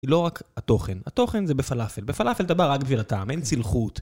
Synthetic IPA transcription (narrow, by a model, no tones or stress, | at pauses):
ilo̞ʁakhat̪o̞χenat̪o̞χenzebefalafelbefalafelt̪abaʁak̚biʃvilataːme̞nt͡silχut